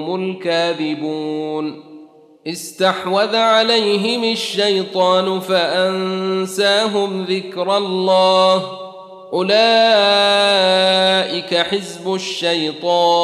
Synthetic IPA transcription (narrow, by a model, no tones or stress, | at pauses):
mʊlkaːðɪbuːn | ʔɪst̪aħwaðʕalajɦɪmaʃːajt̪ˤɑːnʊfaʔansaːɦʊmðɪkɾɑlːɑːh | ʔʊlaː | ʔɪkaħɪzbʊʃːajt̪ˤɑː